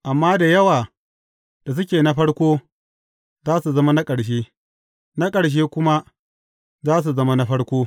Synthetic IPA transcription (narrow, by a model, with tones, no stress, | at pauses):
ʔa˨mːaː˦da˨jɐ˦waː˨ | d̥a˨s̬ʊ˦kʲeː˨na˦ɸɐ˦ɽkʷoː˦ | zaː˦su˨zɐ˦ma˦na˦kʼɐ˨ɽʃ̬eː˦ | na˦kʼɐ˨ɽʃ̬eː˦kʷʊ˦ma˦ | zaː˦s̬u˨zɐ˦ma˦na˦ɸɐ˦ɽkʷoː˦